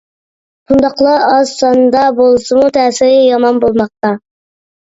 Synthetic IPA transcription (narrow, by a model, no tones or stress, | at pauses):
ʃund̪ɑqlˠɑɑzsɑnd̪ɑbolˠsɨmut̪ʰɛːsɪɾɪjɑmɑnbolˠmɑq̚t̪ɑ